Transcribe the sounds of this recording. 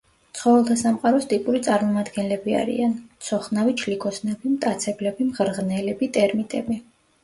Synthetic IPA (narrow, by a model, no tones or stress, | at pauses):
t̪sʰχɔvɛlˠt̪ʰasamqʼaɾɔst̪ʼipʼuɾit̪sʼaɾmɔmad̪ɡɛnlɛbia̰ɾḭant̪sʰɔχnavit͡ʃʰlikʰɔsnɛbimt̪ʼat̪sʰɛblɛbimʁɾʁnɛlɛbit̪ʼɛɾmit̪ʼɛbi